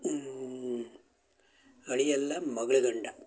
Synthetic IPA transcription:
ɐɭɪjɛlːaːmːɐɣɐɭɯɣɐɳɖa

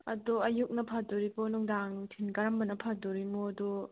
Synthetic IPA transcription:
ɐduɐjuk̚nɐpʰaduɾibɔnuŋdaŋtʰinkɐɾambɐnɐpʰaduɾimuɐdu

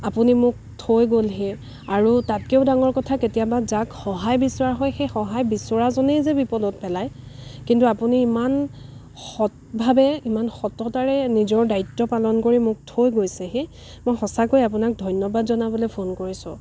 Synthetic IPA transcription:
apunimʊk̚tʰojɡolɦe | aɹutat̚keʊdaŋɔɹkɔtʰaketijabazakxɔɦajbisɔaɦɔjxejxɔɦajbisɔɹazɔnejzɛbipɔdɔt̚pɛlajkintuapuniːman | xɔt | bʱabɛimanxɔtɔtaɹɛnizɔɹdaitːɔpalɔnkoɹimʊk̚tʰojɡojsɛxe | mojxɔsakojap̬unak̚dʱɔjnjɔbadzɔnabɔlepʰonkoɹisʊ̰̃

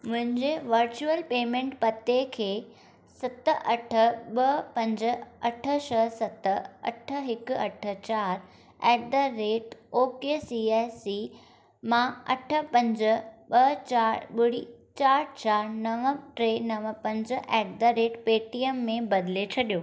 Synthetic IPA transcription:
mʊ̃ɦɪ̃ɲd͡ʑeʋɐɾt͡ɕuəlpeːmẽːɳʈpɐt̪ekʰeː | sɐt̪əʔɐʈʰə̆ɓɐpɐ̃ɲd͡ʑə̆ɐʈʰə̆ʃɐɦsɐt̪ə̆ɐ̰ʈʰə̆ɦɪkɐʈʰə̆t͡ɕaːɾ | ɛːk̚d̪əɾeːʈoːkesieːsi | mãɐʈʰə̆pɐ̃ɲd͡ʑə̆ɓɐt͡ɕaːɾɓɪɽit͡ɕaːɾt͡ɕaːɾnɐʋəʈɾeːnɐʋə̆pɐ̃ɲd͡ʑʔɛːk̚d̪əɾeːʈpeːʈiemːẽbɐd̪ɪlet͡ɕʰɐɗijoː

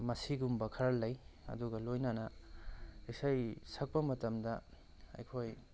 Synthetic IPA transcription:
mɐsiɡumbɐkʰɐɾɐlːɐjɐ̰duɡɐlojnanɐ | isɐjsɐk̚pɐmɐtɐmdɐ | ɐ̰jkʰoj

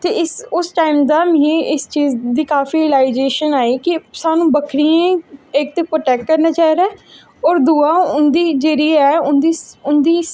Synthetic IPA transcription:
t̪eːɪsʊsʈaːimd̪aːmẽːɪst͡ʃiːzd̪iːkaːfiɾɪlaːɪd͡ʒeːʃənaːiːkɪsaːnũːbəkʰɾiẽɪk̚t̪eːpɾoːʈɛːkkəɾnaːt͡ʃaːiɾɛː | ɔːɾd̪uːaːʊnd̪iːd͡ʒeːɾiːɛːʊnd̪iːʊnd̪iː

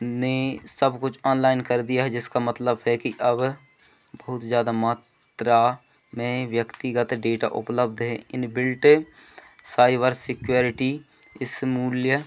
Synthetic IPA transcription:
nesəbkʊt͡ʃʰɔːnlaːɪnkəɾd̪ijaɦɛd͡ʒɪskamət̪ləbɦɛkiʔɐb | bəɦʊt̪zjaːd̪amaːt̪ɾa | mẽʋjəkt̪iɡət̪ɖeːʈa̰ʔʊ̰pləb̚d̪ɦɛ̃ʔɪnbɪlʈ | saːibəɾsɪkjoːɾɪʈi | ɪsmuːljə

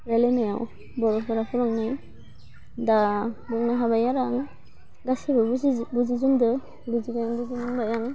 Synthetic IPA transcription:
ɾalenajaw | bɔɾɔpʰɔɾapʰuɾɔŋnɯj | dabɔŋnaɦabajaɾaŋ | ɡasibɯbuzizundɯ | buziɡajaŋbud͡ʒinanbajaŋ

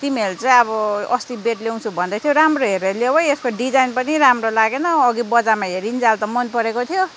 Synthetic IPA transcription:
t̪imelt͡sʌĩʌβʌʌst̪ibeʈlew̃t͡sʰubʱʌnd̪ʌt̪ʰjoɾamroɦeɾelebʌjeskoɖid͡zajnpʌniɾamrolaɡenʌːɡibʌd͡zamaɦeɾind͡zalt̪ʌmʌnpʌɾekot̪ʰijo

